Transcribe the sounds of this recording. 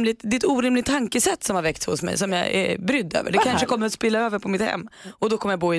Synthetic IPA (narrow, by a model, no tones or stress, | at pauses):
lɪt̪d̪ɛt̪uːɾɪmlɪk̚t̪ʰːaŋkəsɛt̪ːsɔmhaɾvɛkt̪shʊ̰smɛ̰jsɔmjɑ̰ɛ̰bɾʏd̪ːø̰ːvə̰ɖɛkʰanʂəkʰɔmːəɾat̪spɪlːaøːvəɾpʰɔmɪt̪hɛ̰mːɔd̪ɔkʰɔmːəɾjaboːɪ